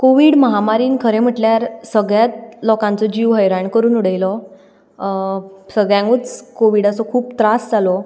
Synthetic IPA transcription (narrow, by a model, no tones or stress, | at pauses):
koʋiːɽməɦamaɾiːnkʰəɾẽm̤əʈljaɾsəɡɭjat̪̚lɔkãnt͡sɔd͡ʑiʋɦəjɾaɳkəɾuːnuɽəjlɔ | səɡɭjãŋɡut͡skoʋiɽasɔkʰuːp̚t̪ɾasd͡zalɔ